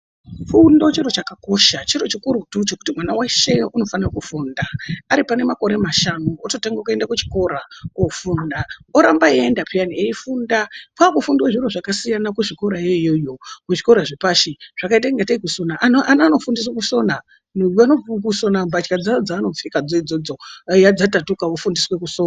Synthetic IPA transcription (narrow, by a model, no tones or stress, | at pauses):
fundo̞t͡ʃiɾot͡ʃakako̞ʃat͡ʃiɾo̞t͡ʃikuɾutut͡ʃe̞ku̥timwanaweʃe̞uno̞fanirakufuːndaaɾipane̞mako̞ɾe̞maʃanuototeŋɡakue̞ndakut͡ʃi̥ko̞ɾaofundaoɾambaiendapijanieifundakwakufundiwaʐiɾoʐakasijanakuʐiko̞ɾajeijojo̞kuʐiko̞ɾaʐipaʃiʐ̥akaitaiŋɡataikuso̞naʔʔanaːno̞fundis̬wakuso̞na | nanokuso̞nambat͡ʃkad͡zad͡zaːno̞p͡fikad͡zoid͡zod͡zo̞jad͡zatatukaofundiswe̞kusona